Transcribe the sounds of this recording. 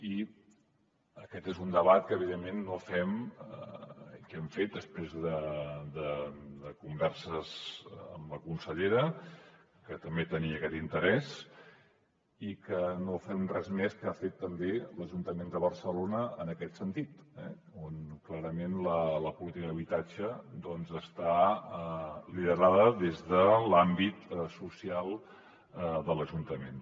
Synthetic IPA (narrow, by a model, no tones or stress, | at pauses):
i | əkɛt̪ezund̪əβat̪̚kəːβiðemːenːofɛməkɛmfet̪̚d̪əspɾezðəd̪əd̪əkumbɛɾsəzə̰mləkunsəʎeɾə | kət̪əmbet̪əniəkɛt̪int̪əɾɛs | ikənofɛnrɛzmɛskəafet̪ːəmbeləʒunt̪əmend̪əβərsəlonəənəkɛt̪sənt̪it̪ | ɛ̰ | onklaɾəmenlələpulit̪ikəðəβit̪ad͡ʒəd̪ɔnzəst̪a | liðəɾaðəðezðəlambit̪susialˠ | əd̪ələʒunt̪əmen